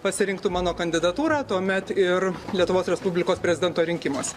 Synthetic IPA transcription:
pɐsʲɪɾʲɪŋkt̪ʊmɑːnoːkɐnʲd̪ʲɪd̪ɐt̪uːɾɑːt̪uɔmʲɛt̪ɪɾlʲiɛt̪ʊʋoːsɾʲɛspʊbʲlʲɪkoːspʲɾʲɛzʲɪd̪ʲɛnt̪oːɾʲɪŋʲkʲɪmoɔsʲɛ

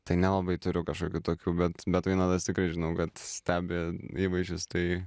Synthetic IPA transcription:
t̪ɐɪnʲɛlˠɐbɐɪt̪ʊɾʲʊkɐʃkoːkʲuːt̪oːkʲuːbʲɛt̪bʲɛt̪ʋɐɪnɐd̪ɐst̪ʲɪkɾɐɪʒʲɪnɐʊkɐt̪sʲt̪ʲæːbʲeːiːʋɐɪʒʲʊst̪ɐɪ

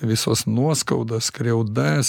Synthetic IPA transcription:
ʋʲɪsoːsnuɔskɐʊd̪oːskɾʲɛʊd̪ɐs

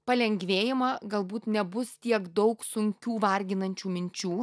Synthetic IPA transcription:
pɐlʲɛŋʲɡʲʋʲeːjɪmɐɡɐlˠbuːt̪nʲɛbʊst̪ʲiɛkd̪ɒʊksʊŋʲkʲuːʋɐɾʲɡʲɪnɐnʲt͡ʃʲuːmʲɪnʲt͡ʃʲuː

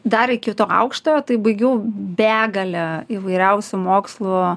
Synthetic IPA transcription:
d̪ɐɾɪkʲɪt̪oːɐ̰ʊkʃt̪oːjoːt̪ɐɪbɐɪɡʲɛʊbʲæːɡɐlʲɛɪʋɐɪɾʲɛʊsʲʊmoːkslˠʊ

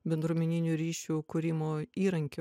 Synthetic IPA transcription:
bʲɛnd̪ɾuːmʲɛnʲɪnʲuːɾʲiːʃʲukʊɾʲɪmoːiːɾɐŋʲkʲo

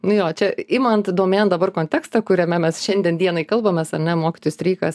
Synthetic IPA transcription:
nʊjoːt͡ʃʲɛimɐnt̪d̪oːmʲeːnd̪ɐbɐrkoːnʲt̪ʲæːkst̪ɐkʊɾʲɛmʲɛmʲɛsʃʲɛnʲd̪ʲiɛnd̪ʲiɛnɐɪkɐlˠbɐmʲɛːsɐrʲnʲɛmoːkʲɪt̪oːjʊsʲt̪ʲɾʲiːkɐs

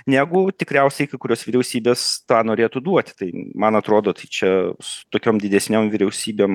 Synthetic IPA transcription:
nʲæːɡʊt̪ʲɪkɾʲɛʊsʲɛɪkɐɪkʊɾʲoːsʋʲɪɾʲɛʊsʲiːbʲeːst̪ɑːnoːɾʲeːt̪ud̪uɔt̪ʲt̪ɐɪmɐnɐt̪ɾoːd̪oːt̪ɐɪt͡ʃʲɛsʊ̥t̪oːkʲoːmd̪ʲɪd̪ʲɛsʲnʲoːmʋʲɪɾʲɛʊsʲiːbʲeːm

